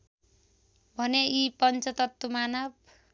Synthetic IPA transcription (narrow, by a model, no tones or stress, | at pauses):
bʱʌneipʌnt͡sʌt̪ʌt̪ːumanʌb